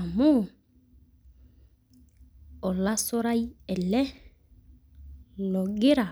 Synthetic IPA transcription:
a˨mʊ˦˨ | ɔ˨la˦sɔ˦ɾa˦i˦ɛ˨lɛ˦ | lɔ˨ɡɪ˦ɾa˨

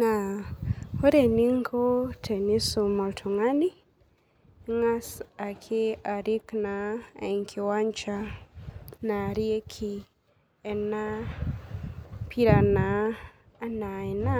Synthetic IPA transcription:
na˨ | ho˦ɾe˨ni˦ŋko˦tʰe˨ni˦so˨mɔ˨ltʰu˨ŋa˦ni˦ | ŋa˦sa˨kʰe˦a˨ɾi˦kna˨i˨ŋkʰi˨wa˦ɲt͡ʃa˦ | na˨ɾie˦kʰi | ɛ˨na˦ | pʰi˦ɾa˨naː | na˨i˨na˦

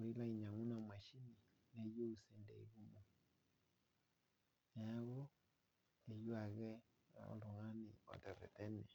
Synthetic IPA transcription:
u˨ɾi˦la˦i˨ɲa˨ŋu˦na˨mwa˨ʃi˦ni˨ | ne˨jo˦u˨se˨ndḛ˨i˦ɣu˦mo˨ | na˦ɣɔ˦ | e˨jwa˨ɣɛ̰˦˨ | o̰˨lo˨ŋa˦ni˨ɔ̰˨tɛ˨ɾɛ̰˨tɛ˦nɛ˨

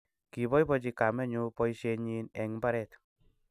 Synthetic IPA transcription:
ki˨bɔ˦jpɔt͡ʃi˧ka˨mɛ˦ɲu˧pɔjʃe˧ɲi˧nɛ˨ŋba˦ɾɛt

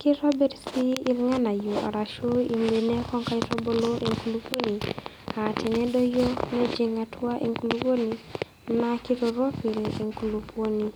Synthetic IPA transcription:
ki˦ɾɔ˦bɛ˦ɾsi˦i˦lŋa˦na˨ju˨a̰˨ɾa˨ʃo˦i˨mbe˨nɛ˦kɔ˦ŋka˦iɾɔ˦bo˦lo˦ʔe˨ŋkulupo˦ni˨ | a˨tʰɛ˨nɛ˦do˦jo˦nɛ˦d͡ʒi˦ŋatʰwa˦ʔe˨ŋku˨lupo˦ni˨ | na˨kiɾɔ˨ɾɔ˦fi˨le˨ŋkulupʰwo˦ni˦

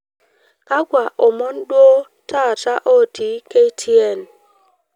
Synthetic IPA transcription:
ka˦ɡwa˨ʔo˨mɔ˦nɗwo˦ | ta˦˨ta˦ʔo˦˨ti˨˦ke˦i˦tʰi˦e˦˨n

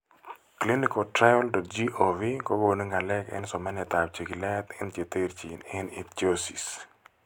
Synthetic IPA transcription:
kli˦nikɔtɾa˦jɔldɔ˨t̚d͡ʒi˦ʔovi˦ko˦ɡo˨ni˦ŋɡa˨lɛ˦kɛ̰˦nsɔ˨ma˦nja˨t̪a˨bt͡ʃe˨ki˨lɛt̪ɪnt͡ʃe˨t̪e˦ɾt͡ʃḭ˨nɪnɪ˦t̪̚t͡ʃosi˨s

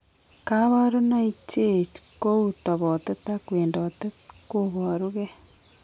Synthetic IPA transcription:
ka˦βaɾo˦na˦i˦t͡ʃe˦˨t͡ʃko˦u˨to˨βo˨te˦takweː˨ndo˨te˦tkoβo˨ɾuɣe˦

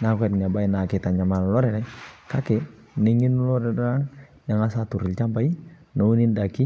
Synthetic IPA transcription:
nakɛtn˨a˨ba˦ina˨kɛ˨t̪a˨ɲa˨ma˨nlɔ˦ɾɛɾɛka˦kɛ | niŋi˦nu˦lɔ˦ɾɛdɔɾa˦ŋ | ja˨ŋa˦sat̪u˨ɾi˨lt͡ʃa˦mba˦i | nou˦ni˦ndaki˦

